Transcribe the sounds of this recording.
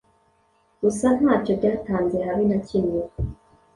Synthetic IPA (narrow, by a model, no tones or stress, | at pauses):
ɡ̥usanhaːt͡ʃovɟaːtaːnzehaβinacine